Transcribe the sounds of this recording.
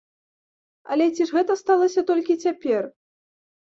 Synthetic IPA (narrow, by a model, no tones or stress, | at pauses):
ɐ̰lʲɛt͡sʲiʐɣɛt̪ɐst̪alˠɐsʲɐt̪ɔlʲkʲit͡sʲapʲɛr